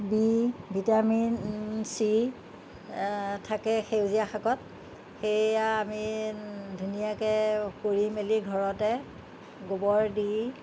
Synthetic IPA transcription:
bibʱitaminsi | tʰakɛxewzijaxakɔt̚ | xejaami | dʱunijakɛkoɹimeliɡʱɔɹɔtɛ | ɡobɔɹdi

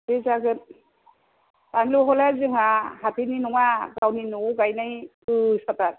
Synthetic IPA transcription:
zezaɡɯn | paŋluɦɔlazɯŋahatʰininuŋaɡawninuɡajnaj | ɯsataɾ

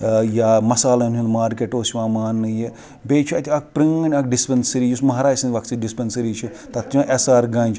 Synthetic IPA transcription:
jaːmɐsaːlɐnʲũnmaːɾkeʈoːsʲiʋãːmaːnːɨje | beːt͡ʃʰiɐt̪ʰʲiɐk̚pɾiŋɐnʲɐkɖispɐnsɐɾiːjusmɐɦɾaːd͡ʒsɐnʲʋɐk̪siɖispɐnsɐɾiːt͡ʃʰit̪ɐt̪t͡ʃʲãʔesaːɾɡaːnʲt͡ʃʰ

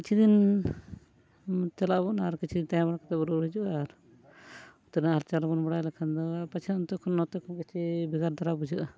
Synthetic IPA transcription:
kit͡ʃʰid̪in | t̪ɛlaʔbunaɾkit͡ʃʰid̪int̪ajãbaɽakat̪ɛbɔɾuɦid͡ʒuʔaɾ | ut̪ɔɾinaɾt͡ʃalbɔnbɔɽajlɛkʰand̪ɔpat͡ʃʰiunt̪ɔkʰɔnːɔt̪ɔkʰɔnkɛt͡ʃʰibiɡaɾd̪aɾabud͡ʒuʔ

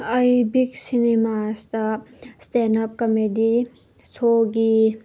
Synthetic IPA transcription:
ɐjbiksinemastɐstenɐp̚kɐmedi | sʰoɡi

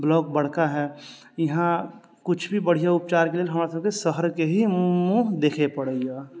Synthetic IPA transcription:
blɔːk̚bəɽ̤kaɦɛː | jɐɦã | kʊt͡ʃʰbʱibəɽ̤ijaʊp̚t͡ʃaːɾkelielɦɐmːɾesəb̚kesəɦəɾkeɦimũːɦd̪eːkʰepəɽəjaː

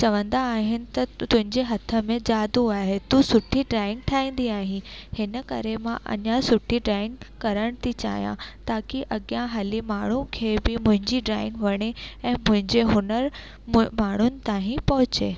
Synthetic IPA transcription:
t͡ɕɐʋə̃nd̪aːɦɪnɪ̆t̪ɐt̪ʊ̃ɦɪ̃ɲd͡ʑeɦɐt̪ʰə̆mẽd͡ʑaːd̪uaːɦet̪usʊʈʰiɖɾaːɪ̃ŋɡ̚ʈʰaːĩːn̆d̪iaːɦĩhɪnəkɐɾemãʔɐ̰ɲasʊʈʰiɖɾaːɪ̃ŋɡkɐɾəɽ̃t̪ʰit͡ɕa̰ːɦjã̰t̪aːkiʔɐɠjãɦɐlimaːɳ̤ukʰeːbɪmʊ̃ɦɪ̃ɲd͡ʑiɖɾaːɪ̃ŋɡʋɐɽ̃eɛ̃ːmʊ̃ɦɪ̃ɲd͡ʑeɦʊnəɾ | maːɳ̤ʊnɪ̆t̪ãːɦĩpɐɦʊt͡ɕeː

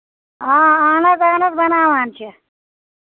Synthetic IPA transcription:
aːaːnɐzaːnɐzbɐnaːʋaːnt͡ʃʰi

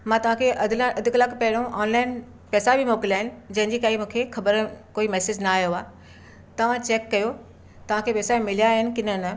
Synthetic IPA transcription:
mãt̪ɐʋ̤ãkʰeʔɐd̪ɐd̪ʱʊkləkpɐɦɪɽ̃õʔɔːnlaːɪn | pɛːsabʱimoːkɪlaːɦɪnɪ̆d͡ʑɐ̃ɦɪɲd͡ʑikaːimũːkʰexɐbəɾkoːimɛːsed͡ʑnaaːjoaː | t̪ɐʋ̤ãt͡ɕeːkːɐjo | t̪ɐʋ̤ãkʰepɛːsaĩmɪlijaɦɪnɪ̆kɪnənə

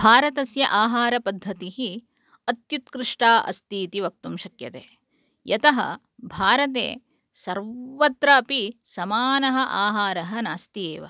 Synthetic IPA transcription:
bʱaːɾɐt̪ɐsjɐ̰ʔaːɦaːɾɐpɐd̪ʱːɐt̪iɦi | ɐt̪jut̪̚kɾɪʂʈaːʔɐ̰st̪iːt̪iʋɐk̚t̪umʃɐkjɐt̪eː | jɐt̪ɐɦɐ̰ | bʱaːɾɐt̪ḛː | sɐɾʋɐt̪ɾɐpisɐmaːnɐɦɐʔaːɦaːɾɐɦɐnaːst̪ieːʋɐ̰

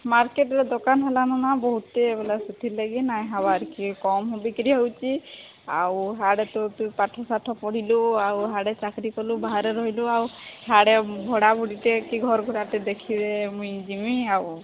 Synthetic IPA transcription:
maɾkeʈɾed̪ɔkanɦelananabɔɦut̪ebelasut̪iɾlaɡinajɦabaɾkikɔmɦubikɾiɦowt͡ʃi | a̰wɦaɽet̪ɔt̪ujpaʈʰɔsaʈʰɔpɔɽ̤iluawɦaɽet͡ʃakɾikɔlubaɦaɾeɾɔɦiluawɦaɽeɡʱɔɽabʱuɽiʈekiɡʱɔɾɡʱɔɽaʈed̪ekʰid̪emũjd͡ʒimiaw

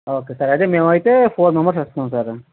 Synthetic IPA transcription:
oːkesɐɾɐd͡ʑemẽʋait̪efoːɾnɐ̃mbəɾs̬ɐst̪aɦũsɐɾ

